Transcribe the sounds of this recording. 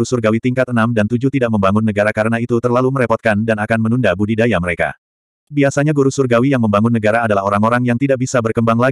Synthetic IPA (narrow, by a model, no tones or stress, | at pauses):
usurɡawit̪iŋkat̪̚ənamdant̪ud͡ʒut̪idaʔməmbaŋʊnːəɡaɾakaɾənait̪ut̪ərlaluməɾɛpɔt̪̚kandanakanmənundabudidajaməɾeka̰ | biasaɲaɡuɾusurɡawijaŋməmbaŋʊnːəɡaɾaːdalaɦoɾaŋoɾaŋjaŋt̪idaʔ̚bisabərkəmbaŋla